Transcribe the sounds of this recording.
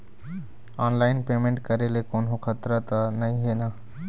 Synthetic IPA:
aːnlaːɪnpeːmẽɳʈkəɾelekoːnɦoxʰət̪ɾət̪ənɐĩɦeːnaː

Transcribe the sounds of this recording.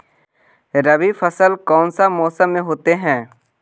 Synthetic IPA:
ɾəbifəsəlkɔːnsamɔːsəmːẽɦoːt̪eɦɛ̃ː

